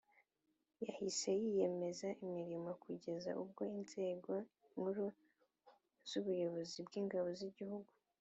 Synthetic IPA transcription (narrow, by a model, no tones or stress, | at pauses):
jahise̞jije̞me̞zaʔimɲiɾimakuɟe̞za̰ʔub̚ɡo̞inze̞ːɡo̞ | muɾu | z̥uβujo̞βo̞zibɡiːŋɡaβo̞ziɟihuɡu